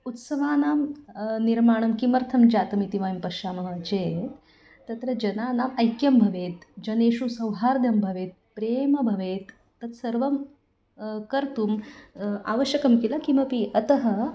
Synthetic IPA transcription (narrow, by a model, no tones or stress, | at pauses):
ut̪sɐʋaːnaːmniɾmaːɳ̃ɐmkimɐɾt̪ʰɐmd͡ʒaːt̪ɐmit̪iʋajmpɐɾʃaːmɐɦɐd͡ʒeː | t̪ɐt̪ɾɐd͡ʒɐnaːnaːmɐjkjɐmbʱɐʋeːt̪d͡ʒɐneːʃusɐwɦaːɾd̪ʱjɐmbʱɐʋeːt̪̚pɾeːmɐbʱɐʋeːt̪ː | ɐt̪sɐɾʋɐm | kɐɾt̪uːm | a̰ːʋəʃjɐkɐmkilakimɐpiɐt̪ɐɦɐ